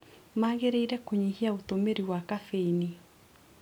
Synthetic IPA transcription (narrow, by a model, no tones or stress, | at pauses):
maɣeɾeiɾɛkoɲihiaotomeɾiwakafeini